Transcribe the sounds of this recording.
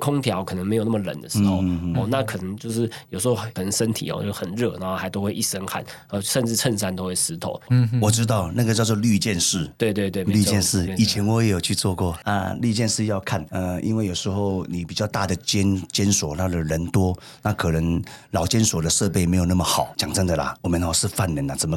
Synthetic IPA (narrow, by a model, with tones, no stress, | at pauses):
kʰʊ˦ŋt̪ʰjɑ˨˦ʊkʰə˨˩nə˧˥ŋm˧˥jna˥˩ə˩lə̰˨˩˦nd̪ə˦˩ʂɻ̩˧˥xo˥˧ʊ˥ɔ˥˧na˥˨kʰɤ˨˩nə˧˦ŋt͡ɕjo˥˧ʊʂɻ̩˥˩jo˨˩ʊʂɻ̩˧˥xo˥˧ʊə˩nə˧˦ŋʂə˥nt̪ʰḭ˨˩ɔ̰˦jo̰˥˧˩xə˨˩nɻɤ˥˩na˧˥ŋxo˥˧xa˧˥ɪt̪o˥ʊxwe˥˧ɪʔi˥˩ʂə˦ŋkʰa̰˥˩n | ə˥˧ʂə˥˧nʈ͡ʂɻ̩˥˧ʈ͡ʂʰə˥˧nsa˥˩nt̪o˥ʊwe˥˩sɹ̩˧˥t̪ʰo˨˦ʊwɔ˨˩ʈ͡ʂɻ̩˥t̪̬ɑ˥˨ʊna˥˩ɡə˩t͡ɕjɑ˥˧ʊt͡s̬ɔ˧ly˥˧t͡ɕjɛ˥˧nʂɻ̩˥˩t̪we˥˧ɪt̪we˥˧t̪we˥˨ly˥˧t͡ɕjɛ˥˧nʂɻ̩˥˩˧i˨˩t͡ɕʰjɛ˧˥nwɔ˧˦jɛ˧˦˥jo˨˩ʊt͡ɕʰy˥˧t͡swɔ˥˧kwɔ˥˩a̰˧ly˥˧t͡ɕjɛ˥˧nʂɻ̩˥˧jɑ˥˧ʊkʰa˥˨nə˧ḭ˦˥nwe˥˩jo˨˩ʊʂɻ̩˧˦xo˥˩ʊni˨˩pi˨˩t͡ɕjɑ˥˧ʊt̪a˥˩d̪ə˩t͡ɕɛ˥nt͡ɕjɛ˥nswɔ˨˩t̪ʰa˥d̪ə˨˩ɻə˧˥nt̪wɔ˥ | na˥˩kʰɤ˨˩nə˧˥ŋlɑ˨˩ʊt͡ɕjɛ˥nswɔ˨˩d̪ə˦ʂɤ˥˧pe˥˩ɪme˧˥ɪjna˥˩mə˩xɑ˨˩˦ʊt͡ɕjɑ˨˩ŋt͡sa˥˩ŋd̪ə˨lɐ̰˩ɔ˨˩mə˨n˧˥˧ʂɻ̩˥˧fa˥˩nːə˧˦na˨t͡sə˨˩˦mə˦